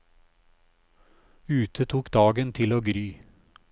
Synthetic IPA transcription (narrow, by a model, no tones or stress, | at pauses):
ʉːt̪ʰət̪ʰuːkd̪ɑːɡənt̪ʰɪloːɡɾyː